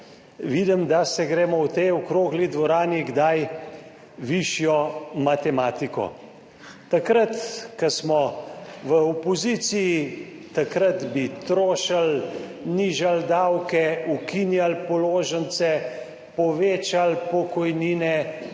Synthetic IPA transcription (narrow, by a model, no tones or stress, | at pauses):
ʋid̪əmd̪asɛɡɾɛːmɔwt̪ɛjɔkɾoːɡlid̪ʋɔɾaːniɡd̪aj | ʋiʃjɔmat̪ɛmaːt̪ikɔ̰ | t̪akɾət̪kɐsmɔʋəɔpɔzisiji | t̪akɾat̪bit̪ɾoːʃalniːʒald̪awkɛukinjalpɔloːʒənt̪sɛ | pɔʋeːt͡ʃalpɔkɔjniːnɛ